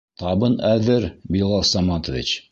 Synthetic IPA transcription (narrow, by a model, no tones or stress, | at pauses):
t̪ɑbɤnæðɘɾbilˠɑlˠsɑmɑt̪ovʲḭt͡ɕ